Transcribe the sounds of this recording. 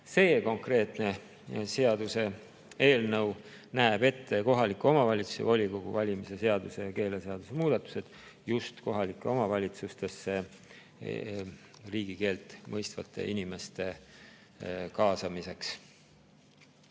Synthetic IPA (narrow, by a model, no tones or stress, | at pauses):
se̞ːko̞ŋkre̞ːt̪ne̞ | se̞ɑd̪use̞ | eːlnɤw | næeb̥e̞t̪ːe̞ko̞ɦɑlikːˑuo̞mɑvɑlʲit̪su̥sḛvolʲiko̞ɡ̥ṵvɑlʲimise̞se̞ɑd̪use̞jɑke̞ːle̞se̞ɑd̪̥use̞muːd̪̥ɑt̪ːˑu̥se̞d̪̥just̪ko̞ɦɑlikːˑeo̞mɑvɑlʲit̪sust̪e̞sːe̞ | riːɡ̥ike̞ːlt̪ˑmɤjst̪vɑ̰t̪ʰːˑe̞̰ʔinʲime̞st̪e̞ | kɑːsɑmise̞ks